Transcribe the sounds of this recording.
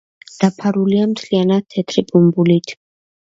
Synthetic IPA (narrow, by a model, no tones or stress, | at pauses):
d̪̥apʰaɾuliamt̪ʰlianad̪̚t̪ʰːɛt̪ʰɾipʼumbulit̪ʰ